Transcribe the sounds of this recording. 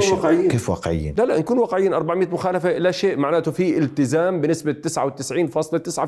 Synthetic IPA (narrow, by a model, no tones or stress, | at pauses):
wɑqʕɪjːkeːfwa̰ːqʕɪ̰jːa̰nlalaʔnakuːnwɑːqʕɪjːaːnʔɑɾˤbaʕmɪjːt̪mʊxaːlafaʔɪlaʃeːʔmaʕnaːt̪ʊfiʔɪlt̪ɪzaːmbɪnːɪsbat̪ːɪsʕawɪt̪ːɪsʕiːnfɑːsˤlɑt̪ːɪsʕa